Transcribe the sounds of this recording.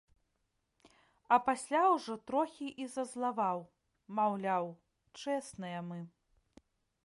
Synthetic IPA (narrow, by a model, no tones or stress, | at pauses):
ɐpasʲlʲawʐɔt̪ɾɔxʲiʔizɐzlˠavaw | mawlʲaw | t͡ʂɛsnɐjɐmɨ